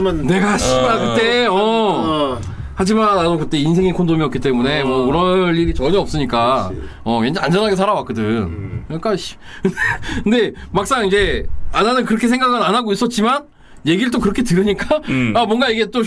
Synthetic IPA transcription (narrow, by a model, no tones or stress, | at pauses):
ne̞ɡaɕʰiakɯt͈e̞ʌ | had͡ʑimananokɯt͈e̞insʰe̞ŋikʰondomiʌp̚k͈it͈e̞mune̞mʌɯɾʌnːiɾit͡ɕʌɲiʌp̚s͈ɯɲik͈aʌend͡ʑand͡ʑʌnaɡe̞sʰaɾawak͈ɯdɯnkk͈aɕ | kɯnkɯnde̞mak̚s͈aŋid͡ʑe̞ananɯnkɯɾʌkʰe̞s̬ʰe̞ŋɡaɡɯnanaɡois͈ʌt̚t͡ɕ͈iman | je̞ɡiɾɯɭt͈okɯɾʌkʰe̞tɯɾɯɲik͈aamwʌnɡaiɡe̞t͈o